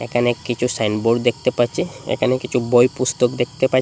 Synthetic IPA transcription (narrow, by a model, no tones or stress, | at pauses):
ḛkʰanekit͡ɕʰusajnboɽd̪ek̚ʰt̪epaɾt͡ɕʰiḛkʰanekit͡ɕʰubojpust̪okd̪ek̚ʰt̪epa